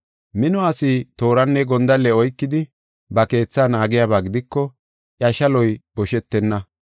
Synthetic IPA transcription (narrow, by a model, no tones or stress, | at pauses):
mɪnɔasiːt̪o̞ːɾɐnːɛɡɔnd̪ɐlːɛɔjkːɪd̪ɪ | bɐke̞ːt͡sːaːnaːɡɪjaːβaːɡɪd̪ɪkːɔ | ʔjɐʃɐlɔjbɔʃɛt̪ːɛnːɐ